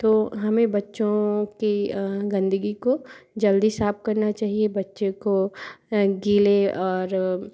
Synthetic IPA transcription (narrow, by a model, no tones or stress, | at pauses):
t̪oːɦɐmẽbɐtːʃõkiɡɐ̃nd̪əɡikod͡ʒɐld̪isaːp̚kɐɾnat͡ʃaːɦiebɐtːʃẽko | ɡiːleɔːɾ